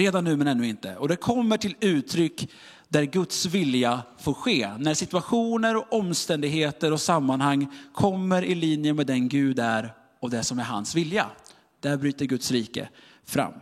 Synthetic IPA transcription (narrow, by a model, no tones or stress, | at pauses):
ɾeːd̪anːʉ̟ːmɛnɛnːɵːɪnt̪ə̰ɔd̪ɛkʰɔmːəʈʰɪlʉ̟ːt̪ʰɾʏkː | d̪æɾɡɵt̪svɪljafoːɾɧeːnæʂɪt̪ɵaɧuːnəɾɔʔɔmːst̪ɛnd̪ɪɡɦeːt̪əɾɔsamːanhaŋːkʰɔmːəɾɪliːnjəmɛd̪ɛnɡʉ̟ːd̪æɾ | ɔmd̪ɛsɔmæɾɦa̰nsvɪlja̰ | d̪̥æɾbɾyːt̪əɾɡɵt̪sɾiːkə̰ | fɾa̰mː